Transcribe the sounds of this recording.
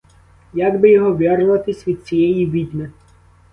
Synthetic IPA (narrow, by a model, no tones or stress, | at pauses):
jaɡbɪjɔɦɔʋʲjarʊʋɐt̪ɪsʲʋʲid̪̚t͡sʲijɛjiʋʲid̪ʲmɪ